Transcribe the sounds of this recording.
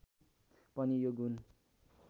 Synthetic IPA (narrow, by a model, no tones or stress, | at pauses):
pʌnijoɡun